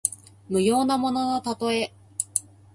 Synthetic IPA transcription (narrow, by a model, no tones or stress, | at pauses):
mɯ̟jo̞ːnamo̞no̞not̪at̪o̞e̞